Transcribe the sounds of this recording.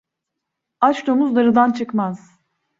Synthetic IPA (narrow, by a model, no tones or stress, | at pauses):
at͡ʃd̪omuzd̪aɾɯd̪ant͡ʃʰɯkmaz̥